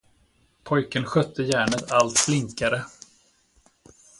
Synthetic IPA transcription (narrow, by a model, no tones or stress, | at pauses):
pʰɔjkənɧœt̪ʰːəjæːɳət̪ʰalt̪flɪŋkaɾə